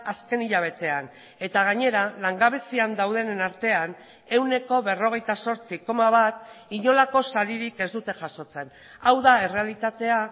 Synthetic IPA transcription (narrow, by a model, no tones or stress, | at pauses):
aske̞niʎaβ̞e̞t̪e̞an | e̞t̪aɣ̞aɲe̞ɾalaŋɡaβ̞e̞siand̪awð̞e̞nenaɾt̪e̞an | e̞wne̞ko̞βe̞ro̞ɣ̞e̞jt̪aso̞ɾt͡siko̞maβat̪iɲo̞lako̞saɾiɾike̞zd̪ut̪e̞ʝaso̞t͡se̞n | awðae̞re̞alit̪at̪e̞a